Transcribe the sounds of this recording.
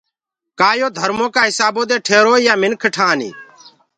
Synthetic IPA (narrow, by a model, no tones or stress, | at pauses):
kaːjoːd̪ʱəɾmõːkaːɦɪsaːboːd̪eːʈʰeːɾoːijaːmɪnkʰəʈʰaːnḭː